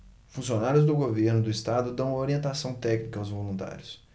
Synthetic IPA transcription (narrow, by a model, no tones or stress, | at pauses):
fũsionaɾjʊzd̪ʊɡoveɾnʊd̪ʊɪst̪ad̪ʊd̪ɐ̃w̃oɾiẽnt̪asɐ̃w̃t̪ɛknikɐawzvolũnt̪a̰ɾjʊs